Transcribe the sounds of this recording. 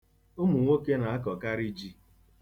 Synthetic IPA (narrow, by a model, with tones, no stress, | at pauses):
ʊ˦mu˨ŋʷo˦ke˦na˨a˦kɔ˨ka˦ɾi˦d͡ʒi˦